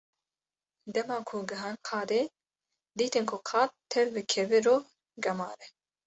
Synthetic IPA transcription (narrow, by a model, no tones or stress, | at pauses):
d̪ɛmɑːkʰuɡɨɦɑːnqʰɑːd̪eː | d̪iːt̪ɨnkʰʊqʰɑːt̪̚t̪ʰɛɾbɨkʰɛvɪɾoː | ɡɐmɑːɾɛ